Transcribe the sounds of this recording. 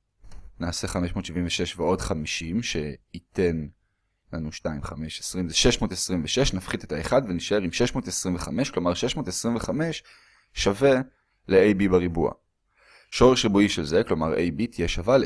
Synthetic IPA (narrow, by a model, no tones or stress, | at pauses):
naːse̞χame̞ʃmo̞ːtʃiviɱveʃe̞ʃveo̞dχamiʃimʃe̞ite̞n | lanuʃtaimχame̞ʃesʁimzeʃe̞ʃmo̞ːtesʁimveʃe̞ʃnafχitetaeχadveniʃae̞ʁimʃeʃmo̞ːtesʁimveχame̞ʃklo̞maʁʃe̞ʃmo̞ːtesʁimveχame̞ʃ | ʃave̞ | leejbibaʁibua̰ | ʃo̞ʁeʃʁibuiʃelze̞klo̞maʁʔḛjbitijeʃaval